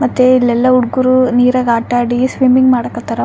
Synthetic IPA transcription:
mɐt̪ːeilːɛlːɐuɽɡuɾuniːɾɐɡaːʈaːɽisʋimiŋɡmaːɽɐkːɐt̪ɐɾɐ

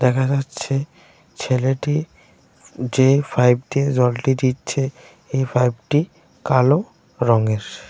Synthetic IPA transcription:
d̪ɛkʰad͡ʑatːɕʰe | t͡ɕʰeleʈi | d͡ʑefʰajb̚ʈid͡ʑɔlʈid̪itːɕʰe | ejfʰajb̚ʈi | kalo | ɾɔŋeɾ

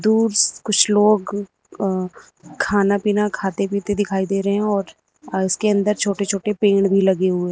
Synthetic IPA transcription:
d̪uːɾskʊt͡ʃʰloːɡ | kʰaːnapiːnakʰaːt̪epiːt̪ed̪ɪkʰaːid̪eːɾəɦɛ̃ɔːɾ | ɪskeɐ̃nd̪əɾt͡ʃʰoːʈet͡ʃʰoːʈepẽːɳbʱilɐɡeɦʊeː

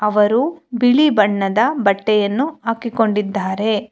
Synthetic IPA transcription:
ɐʋɐɾubiɭibɐɳːɐd̪ɐbɐʈːɛjɐnːuɦaːkiko̞ɳɖid̪ːaːɾe̞

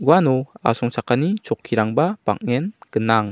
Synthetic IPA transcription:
ɡuanɔa̰sɔŋsʰakanit͡ʃɔkʰːiɾaŋbapa̰k̚ŋenkənaŋ

